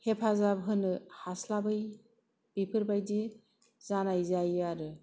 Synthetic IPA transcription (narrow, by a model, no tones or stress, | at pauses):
hepʰazabɦɯnɯhaslabɯj | b̥ipʰɯɾbajdi | zanajzajaɾɯ